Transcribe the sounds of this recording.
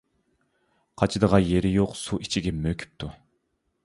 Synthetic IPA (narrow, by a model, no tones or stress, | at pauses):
qʰɑt͡ʃʰɨd̪əʁɑjeɾɪjoqsuit͡ʃʰiɡʲɛmøkʲʰy̥p̚t̪ʰu